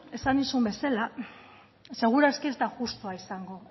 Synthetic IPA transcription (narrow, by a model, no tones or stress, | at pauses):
e̞sanisumbe̞sala | se̞ɣ̞uɾaskiest̪aʝust̪uaisaŋɡo̞